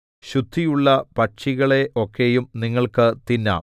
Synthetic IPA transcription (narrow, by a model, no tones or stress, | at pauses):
ɕud̪ʱːijuɭːɐpɐt͡ɕiɣɐɭe̞ʔo̞kːe̞jumniŋːɐɭkɨt̪inːa̰ː